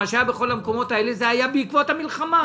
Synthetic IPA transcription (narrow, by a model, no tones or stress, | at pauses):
aʃabe̞χo̞lameko̞mo̞t̪ae̞lezeajabeikvo̞thamilχama